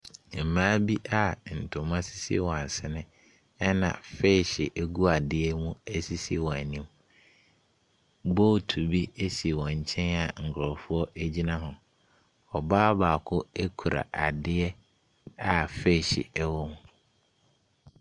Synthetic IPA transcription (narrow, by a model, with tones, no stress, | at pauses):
m̩˨mãː˦bi˦ʔa˨n̩˨tʰʊ̃˨˦mã˦si˦sḭ˦˨wɔ̃˨a˨sɪ˦nɪ̃˦ | ɛ˦nã̰˨fe˦˨ɕɪ˨ʔe˦ɡu˦a˨dɪ˦ɛ˦mũ˦æ˦si˦si˦˨wɔ̃˨æ˨nĩ˦m | bɔ˦˨tʰu˨bi˦e˦si˨wɔ̃˨ɲ̩˨t͡ɕʰɛ̃˦na˨ŋ̩˨kʰɾɔ˨fʊ˦ɔ˦ʔæ˦d͡ʑi˦nã˦ɦʊ̃˨ | ɔ˨baː˦baː˨kʰʊ˦e˦kʰu˨ɾa̰˨ʔa˨dɪ˦ɛ˦ | a˨fe˦˨ɕɪ̰˨ɛ˦wɔ˦mũ˨